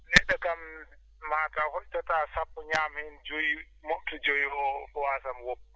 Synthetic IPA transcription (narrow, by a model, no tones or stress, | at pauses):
nɛɗːakam | maːtahɔʔtːataːsapːɔɲaːmhɛnd͡ʒoji | moʔtɔd͡ʒojiɔwaːsamwɔpː